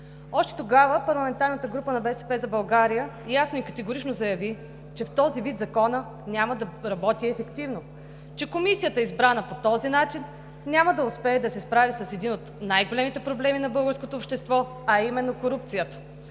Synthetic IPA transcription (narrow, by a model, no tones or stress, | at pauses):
ɔʃt̪ɛ̥t̪oɡavəpɐɾlˠɐmɛnt̪aɾnət̪əɡɾupənɐbɛsɛpɛzɐbɐlˠɡaɾijəjasnoikət̪ɛɡoɾit͡ʃnozɐjɐvi | t͡ʃɛft̪ɔzivit̪zɐkɔnə | nʲaməd̪ɐɾɐbɔt̪iɛfɛkt̪ivno | t͡ʃɛkomisijət̪əizbɾanəpot̪ɔzinat͡ʃinːʲ | aməd̪ɐʊspɛɛd̪ɐsɛspɾavisɐsɛd̪inot̪najɡolɛmit̪ɛpɾoblɛminɐbɤlˠɡəɾskot̪oːpʃt̪ɛst̪vɔ | ɐimɛnːokoɾupt̪sijət̪ə̥